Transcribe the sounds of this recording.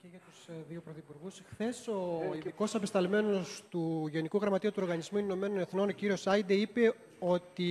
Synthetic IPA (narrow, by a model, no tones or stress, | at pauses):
ceʝɐt̪uzðiopɾoθipuɾɣusxθe̞so̞iðiko̞sɐpe̞st̪ɐlme̞no̞st̪uʝonikuɣɾɐmɐt̪iut̪uo̞ɾɣɐnizmuiino̞me̞no̞ne̞θno̞no̞ciɾio̞sɐjd̪eipe̞ | o̞t̪i